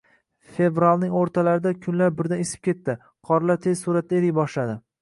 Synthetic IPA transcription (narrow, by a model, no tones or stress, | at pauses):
fe̞vɾalˠnɪŋoɾt̪ʰalaɾɪd̪akʲʰʊnlaɾbɪɾd̪anesɪ̥p̚kʲe̞t̪ːɪ | qʰɒɾlaɾt̪ʰez̥suɾat̪̚d̪aeɾɪjbɒʃlad̪ɪ